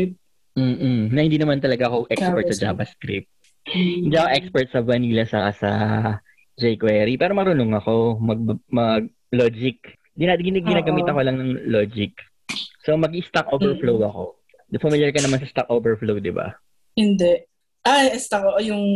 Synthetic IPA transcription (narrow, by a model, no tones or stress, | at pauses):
m̩ːʔ̩nɐhɪnd̪inɐmant̪ɐlɐɡaʔɐkoʔɛkspɛɹt̪sɐd͡ʒa̰ːbɐskɾɪ̰p̚t̪̚ | hɪnd̪iːʔɐkoʔɛkspɛɹt̪̚sɐbɐniːlɐsɐkasɐ̰ | d͡ʒɛjkwɛɾipɛːɾomɐɾʊnoŋɐko̞mɐɡ̚mɐɡ̚ | loːd͡ʒɪk̚ | ɡɪnaɡɪnɡɪnaːɡɐmiːt̪ɐko̞lɐŋnɐŋloːd͡ʒɪk | somɐɡɪst̪ak̚ʔoːvɛɹflowɐko̞̰ | d̪ɐfɐmiljɐɹkɐnɐmansɐst̪ak̚ʔoːvɛɹflowd̪ɪba̰ | hɪnd̪ɛʔ | ʔaɛst̪akoʔojʊŋ